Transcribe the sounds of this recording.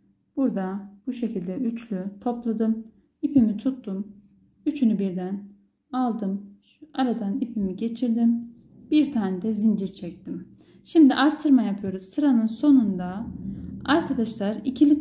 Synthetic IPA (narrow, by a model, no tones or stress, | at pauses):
b̥uɾd̪ab̥uʃe̞cʰilʲd̪ɛyt͡ʃlʲyt̪ʰo̞plˠad̪ɯm | ipimit̪ʰut̪ːum | yt͡ʃʰynybiɾd̪æn | alˠd̪ɯm | aɾad̪anipʰimiɟe̞t͡ʃʰiɾd̪im | b̥iɾt̪ʰaːnɛd̪ɛzind͡ʒiɾt͡ʃʰɛc̚t̪im | ʃimd̪iʔaɾt̪ʰːɯɾmajapʰɯjo̞ɾuzsɯɾanɯnso̞nund̪a | aɾkʰad̪aʃlˠaɾicʰilʲi